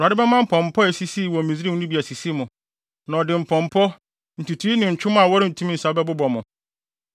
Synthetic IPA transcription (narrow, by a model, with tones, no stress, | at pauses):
a˨dɪ˦bɛ˦mã˦m̩˦˨pʰɔ̃˨m˨pʰɔ˦ɛ˨si˦si˦˨wɔ̃˨mĩ˨zi˦ɾi˦u˦nĩ˦bi˨æ˨si˨si˦mʊ̃˨ | nã˨ɔ˨dɪ˨m̩˨pʰɔ̃˨m˨pʰɔ˦ | n̩˨tʰu˨tʰu˦i˦nɪ̃˨ɲ̩˨t͡ɕʰᶣʊ˦m˦a˨wɔ˦ɾɪ˦n̩˨tʰũ˦m˦n̩˨sa˨˦bɛ˦bʊ˦bɔ˨mʊ̃˨